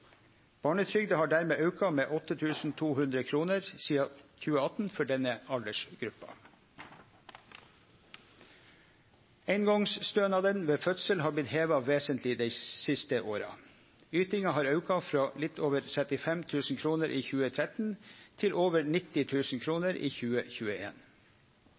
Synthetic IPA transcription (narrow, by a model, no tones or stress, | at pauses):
b̥ɑːɳət̪ʰɾʏɡd̪əhɑːɖæːɾmeːʔɑʉkɑmeːʔɔt̪ːət̪ʰʉːsn̩t̪ʰuːhʉnd̪ɾəkʰɾuːnəɾsiːɑçʉːəɑt̪n̩fɔɖɛnəɑld̪əʂɡ̥ɾʉpːɑ̰ | æɪnɡɔŋsst̪øːnɑd̪ənʋeːfœt̪səlhɑːblɪt̪heːʋɑʋeːsənt̪lɪd̪æɪsɪst̪əʔoːɾɑ̰ | yːt̪ɪŋɑhɑːɾɑʉkɑfɾɑːlɪt̪ʰoːʋəɾt̪ʰɾɛt̪ɪfɛmt̪ʰʉːsn̩kʰɾuːnəɾʔiːçʉːət̪ʰɾɛt̪n̩t̪ʰɪlʔoːʋəɾnɪt̪ɪt̪ʰʉːsn̩kʰɾuːnəɾʔiːçʉːəçʉːəḛːn